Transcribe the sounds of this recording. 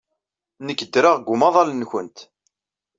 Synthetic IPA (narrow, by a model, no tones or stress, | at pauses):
nəkːəd̪ːɾaʁɡʷːʊmɑðˤɑlnçənt̪